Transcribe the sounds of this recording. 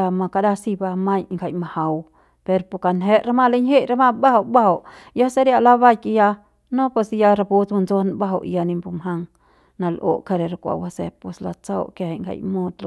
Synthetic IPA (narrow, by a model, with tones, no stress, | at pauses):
a˧ma˧ka˧da˦si˧ba˧ma˦jŋɡa˧˨jma˧ha˨w | pe˧ɾpo˨ka˨nɦe˦ʔɾa˦ma˦˧le˦ɲhe˦jɾa˧ma˧ba˦ha˧wba˦ha˧˨wjo˦se˦ɾja˧la˦βa˦jki˧ja˧ | nõ˦pe˧sja˧ɾa˧pu˧t͡sma˧nzo˦n˧ba˦ɦa˧wʔja˧ni˧mbu˧mɦa˧ŋ | na˧lʔo̰˨ka˧ɾe˨ɾa˧kʷa̰˨wa˧sḛ˧pe˨sla̰˧t͡sa˦wke˧ha˨ŋɡʰa̰˧˨jmo˦t̪l